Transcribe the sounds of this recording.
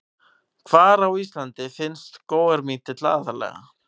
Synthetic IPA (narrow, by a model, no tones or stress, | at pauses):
kʰvaːɾawiːst̪lant̪ɪfɪnst̪koːwɣaɾmiːt̪ɪt̪la̰ːðalɛ̰ːɣa̰